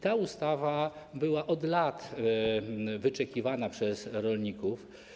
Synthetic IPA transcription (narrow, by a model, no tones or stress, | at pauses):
t̪aust̪avabɘwaʔɔd̪lat̪ | vɘt͡ʂɛkʲivanapʂɛzɾɔlɲikuf